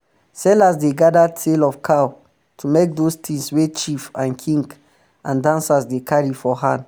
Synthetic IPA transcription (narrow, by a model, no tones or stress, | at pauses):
sɛlasdeɡadatʰelɔfkʰaw | tʰumek̚dostĩŋswet͡ʃifãnkʰĩŋɡ | ãndãnsasdekʰaɹifɔhãn